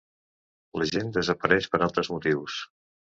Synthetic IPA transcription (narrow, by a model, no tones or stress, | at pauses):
ləʒend̪əzəpəɾɛʃpəɾalˠt̪ɾəzmut̪iws